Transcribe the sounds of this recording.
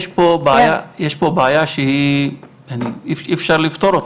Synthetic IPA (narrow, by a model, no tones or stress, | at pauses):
jeʃpobaːjajeʃpobaːjaʃehi | janiififʃaɾlift̪oɾot̪